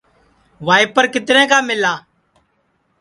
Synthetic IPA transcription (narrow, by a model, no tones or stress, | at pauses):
ʋaːɪːpəɾkɪt̪ɾɛ̃ːkaːmɪlaː